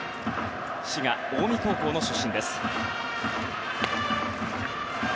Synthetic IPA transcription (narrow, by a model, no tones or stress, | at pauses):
ɕiɡaoːmʲit̪o̞ːko̞ːno̞ɕoɕĩnd̪e̞sɨ̥